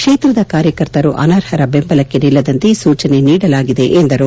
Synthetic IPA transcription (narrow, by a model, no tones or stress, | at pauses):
kʂeːt̪ɾɐd̪ɐkaːɾjɐkɐɾt̪ɐɾuʔɐ̰naːɾhɐɾɐbe̞mbɐlɐkːenilːɐd̪ɐnt̪esuːt͡ʃɐne̞niːɽɐlaːɡid̪e̞ʔend̪ɐɾu